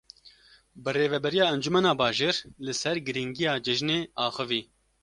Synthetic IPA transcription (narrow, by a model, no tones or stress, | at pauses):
bɨreːvɛbɛɾijɑːɛnd͡ʒumɛnɑːbɑːʒeːɾlɨsɛɾɡɨɾiŋɡijɑːd͡ʒɪʒneːʔɑːxɨviː